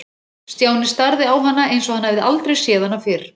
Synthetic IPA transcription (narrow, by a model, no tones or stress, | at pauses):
st̪jaːwnɪst̪aɾðɪawɦanːaʔejns̬ɔhanhɛvðɪʔalt̪ɾejsjɛːðanːafɪɾ̥